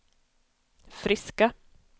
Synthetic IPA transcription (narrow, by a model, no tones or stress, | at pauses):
fɾɪska